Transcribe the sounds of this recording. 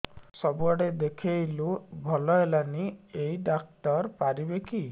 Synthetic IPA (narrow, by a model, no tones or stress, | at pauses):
sɔbuɔɽed̪ekʰejlubʱɔlɔɦelaniejɖak̚tɔɾpaɾibekʰi